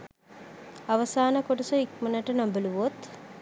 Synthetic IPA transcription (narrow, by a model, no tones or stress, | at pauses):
aʋəsaːnəkoʈəsoik̚mənəʈənambəluʋot̪